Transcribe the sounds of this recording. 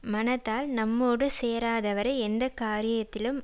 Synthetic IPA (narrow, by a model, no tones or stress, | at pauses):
mɐnɐt̪ːaːlnɐmːoːɽɯseːɾaːðɐʋɐɾɐɪɛnd̪ɐkaːɾɪjɐt̪ːɪlɯm